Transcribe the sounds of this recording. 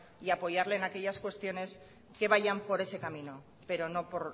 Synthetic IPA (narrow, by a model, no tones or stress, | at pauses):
iapo̞ʝaɾle̞ːnake̞ʎaskwe̞st̪jo̞ne̞s | ke̞β̞aʝampo̞ɾe̞se̞kamino̞ | pe̞ɾo̞no̞po̞ɾ